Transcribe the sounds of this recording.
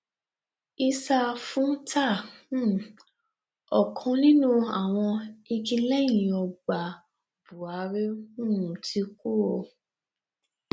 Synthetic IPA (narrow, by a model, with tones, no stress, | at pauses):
i˧sa˧fũ˦tʰa˦˨˦ | ɔ˨kʰɔ̃˧nĩ˦nũ˦a˨w̃ɔ̃˧i˧kĩ˧lɛ˦jĩ˨ɔ˧ɡ͡ba˨ | b̥u˨a˨˦ɾe˦ũ˦nũ˨tʰi˨˦ku˦˨o˧